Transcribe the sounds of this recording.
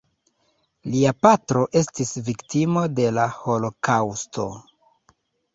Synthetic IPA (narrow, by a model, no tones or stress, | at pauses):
liapatɾo̞ʔe̞stisviktimo̞de̞laho̞lo̞kawstʰo̞̰